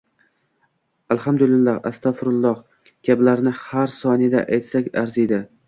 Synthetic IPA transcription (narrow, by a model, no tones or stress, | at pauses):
alhamd̪ʊlɪlːaɾa̰st̪ʰɒfɾʊlˠːɒh | kʲʰablaɾnɪhaɾsɒnɪd̪a̰ʔajt̪sakʲaɾzid̪ɪ